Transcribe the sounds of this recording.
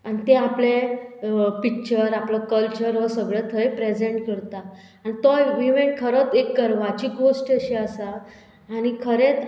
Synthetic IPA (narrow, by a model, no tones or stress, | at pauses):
anit̪ẽaple | pikt͡ɕəɾapləkəlt͡ɕəɾʋəsəɡɭet̪ʰəjpɾed͡ʑẽɳʈkəɾt̪a | anit̪ɔjʋiʋeʈ̚kʰəɾət͡sekːəɾʋat͡ɕiːkɡosʈeɕiasaː | ñikʰəɾet͡s